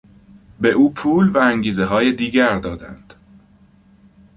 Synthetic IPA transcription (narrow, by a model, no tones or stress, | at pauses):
beʔuːpʰuːlvææŋɟiːzeɦɒːjed̪iːɟæɾd̪ɒːd̪ænd̪̥